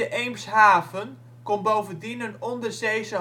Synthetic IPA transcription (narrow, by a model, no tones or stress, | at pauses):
əʔejmsɦaːvən | kɔnbowvəndinənɔndərsejzə